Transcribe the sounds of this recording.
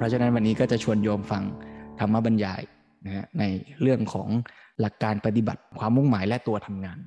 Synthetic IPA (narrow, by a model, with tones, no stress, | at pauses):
pʰɾɔ˦t͡ɕʰːna˦˥nwa˧niː˦˥kɔː˥˩t͡ɕa˨˩t͡ɕʰu˧ənjɔː˧mfa˧ŋt̪ʰa˧mːa˦˥˩ba˧njaː˧j | na˦˥kʰa˦˥na˧jɾɯ˥˩əŋkʰɔ̰ː˩˦ŋ | la˨˩kːaː˧npa˧t̪i˨˩ba̰˨˩t̪̚kʰwaː˧mːu˥˩ŋmaː˩˦jlɛ˦˥t̪u˧ɐt̪ʰa˧mŋaː˧n